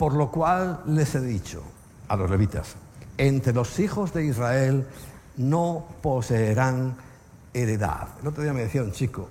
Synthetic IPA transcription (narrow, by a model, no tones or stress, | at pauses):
poɾlokwalːeseðit͡ʃo̰ | alo̞zle̞βit̪a̰sent̪ɾelo̞sixo̞zðe̞izrael | noposeːɾaŋ | eɾeða̰ðelot̪ɾoðiameðeθiaunt͡ʃiko